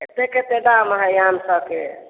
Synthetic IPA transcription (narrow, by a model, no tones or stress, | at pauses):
et̪eket̪eɖamɦɛjansəbke